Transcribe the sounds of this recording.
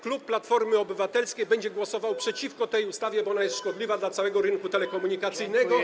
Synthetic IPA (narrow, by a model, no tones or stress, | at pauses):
klupːlat̪fɔɾmɘɔbɘvat̪ɛlskʲejbɛɲd͡ʑɛɡwɔsɔvawpʂɛt͡ɕifkɔt̪ɛjust̪avʲjɛbɔɔnajɛst̪ʂkɔd̪lʲivad̪lat̪sawɛɡɔɾɘŋkut̪ɛlɛkɔmuɲikat̪sɘjnɛɡɔ